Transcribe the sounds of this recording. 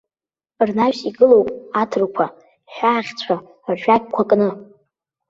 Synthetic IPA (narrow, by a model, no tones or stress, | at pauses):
rnaɥsiɡɨlowpʼatʰɨrkʷʰa | ħʷᶣaːχʲt͡sʷʰa | rʒᶣakʲkʷʰakʼnɨ